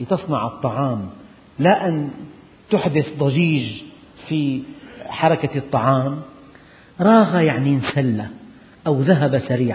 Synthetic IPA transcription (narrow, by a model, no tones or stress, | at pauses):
t̪ɨsˤnɑʕɨt̪ˤːɑʕɑːm | laʔan | t̪ʊħd̪ɪθd̪ˤɑʒiːʒ | fi | ħɑɾˤɑkat̪ˤːɑʕɑːm | ɾˤɑːɣajaʕninsalːa | ʔawðaɦabasaɾiːʕ